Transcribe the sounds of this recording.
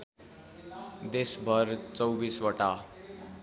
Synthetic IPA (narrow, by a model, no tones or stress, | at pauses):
d̪esbʱʌɾt͡sʌwbiswʌʈa